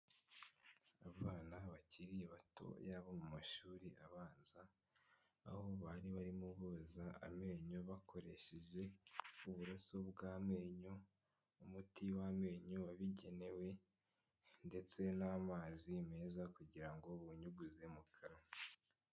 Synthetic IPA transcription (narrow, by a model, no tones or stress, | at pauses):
aβaːnaβaciɾiβatʰo̞̰jaːβomumaʃuːɾiaβaːnza̰ː | ho̞βaɾiβaɾimuβozaa̰me̞ːɲo̞βakʰo̞ɾe̞ʃe̞ʒe̞uβuɾoso̞bɡaːme̞ːɲo | umutiwame̞ːɲowaβiɟe̞ne̞we̞ | nde̞t͡se̞namaːzime̞ːzakuɟiɾaŋɡo̞βuɲuɡuzemukʰaɾo